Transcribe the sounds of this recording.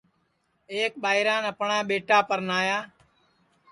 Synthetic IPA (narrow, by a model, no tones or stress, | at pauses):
eːk̚ɓaːɪɾãːnəpɳãːɓeːʈaːpəɾnaːjaː